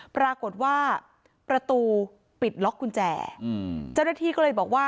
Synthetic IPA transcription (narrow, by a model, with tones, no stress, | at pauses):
pɾaː˧ko˨˩t̪̚waː˥˩ | pɾa˧t̪uː˧ | pi˨˩t̪̚lɔ˦˥kʰːu˧nt͡ɕɛ̰ː˨˩t͡ɕa˥˩wnaː˥˩t̪ʰiː˥˩kɔː˥˩ɤː˧jbɔː˨˩k̚waː˥˩